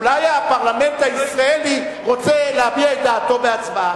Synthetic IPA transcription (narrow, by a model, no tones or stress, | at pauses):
lajapaʁlame̞ntaiisʁaeli | ʁo̞t͡seleabiaed̪aːto̞beat͡sba